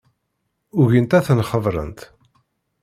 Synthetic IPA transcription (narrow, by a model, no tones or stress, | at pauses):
ʊʝint̪æθənχəðˤɾˤə̰nt̪